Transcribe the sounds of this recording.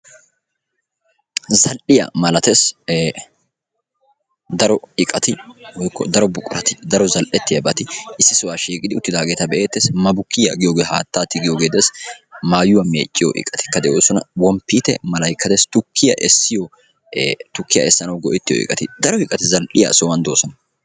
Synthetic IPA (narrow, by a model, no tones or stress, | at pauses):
zɐlʔɪjɐ̰mɐlɐt̪es | d̪ɐɾɔɪkʼɐt̪ɪwɔjkːɔ̰d̪ɐɾɔbʊkʼːʊɾɐt̪ɪ̥d̪ɐɾɔzɐlʔɛt̪ːɪjɐbɐt̪ɪɪsːɪsʊwaːʃeːkʼɪd̪ɪʊt̪ːɪd̪aːɡeːt̪ɐbɛʔeːt̪ːesmɐbʊkːɪjɐɡɪjoːɡeːhaːt̪ːaːt̪ːɪɡɪjoːɡeːd̪eːsmaːjʊwɐmḛːt͡ʃʼːɪjɔ̰ʔɪ̰kʼːɐt̪ɪ̥kːɐd̪ɛʔoːsɔnɐ̰wɔmpːiːt̪ɛmɐlɐjkːɐt̪ɛst̪ʊkʰːɪjɐ̰ʔɛsːɪjɔː | t̪ʊkːɪjɐ̰ʔɛsːɐnɐwɡɔʔɪt̪ːɪjɔ̰ʔɪ̰kʼɐt̪ɪd̪ɐɾɔhɪkʼɐt̪ɪzɐlʔɪjɐ̰sɔwɐnd̪oːsɔnɐ